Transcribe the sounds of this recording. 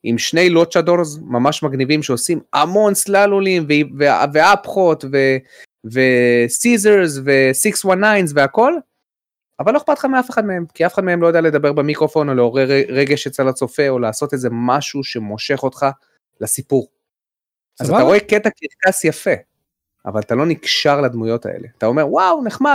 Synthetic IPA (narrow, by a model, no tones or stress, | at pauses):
ʔimʃne̞jlot͡ʃadoɾzmamaʃmaɡnivimʃeo̞sima̰mo̞nslalulimveveveapχo̞t̪ve̞ | ve̞sizeʁzve̞sikswanːajnzveako̞l | avalo̞eχpat̪χameafe̞χad̪mee̞mkiafe̥χad̪meemlojadealed̪abe̞ʁbemikʁo̞fo̞no̞leo̞ʁeʁeʁeɡeʃet͡salat͡so̞fe̞o̞laːso̞t̪eze̞maʃuʃe̞mo̞ʃe̞χo̞t̪χa | lasipuʁ | azzat̪aʁo̞eket̪akiʁkasjafe̞ | a̰valat̪alo̞nikʃaʁlad̪mujo̞t̪a̰ʔḛle̞at̪ao̞me̞ʁwawneχma